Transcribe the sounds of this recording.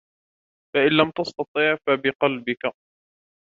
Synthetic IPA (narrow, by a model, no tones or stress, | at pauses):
faʔɪnlamt̪ɑst̪ɑt̪ˤiːʕfabɪqɑlbɪka